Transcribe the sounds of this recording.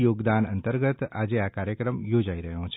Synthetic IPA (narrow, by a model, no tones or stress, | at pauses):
joːɡd̪aːnə̰nt̪əɾɡət̪ad͡ʒeakaːɾjəkɾəmjoːd͡ʒaiɾəɦjõt͡ʃʰ